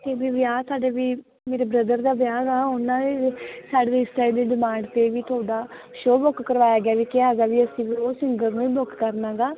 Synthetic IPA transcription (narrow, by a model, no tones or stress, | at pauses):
t̪eːbiːʋɪjaːsaːɖeːʋiː | meːɾeːbɾəd̪əɾd̪aːbjaːɡaːʊnãːd̪eːsaːɖed̪eɪst̪aːiːd̪eːɖɪmãːɳɖt̪eːʋiːt̪ʰoːɖaː | ʃoːbokkəɾʋaːjaːɡɪaːʋiːkeaːɡaːʋiːəsĩːʋoːsɪŋɡənũːĩːbʊkkəɾnãːɡaː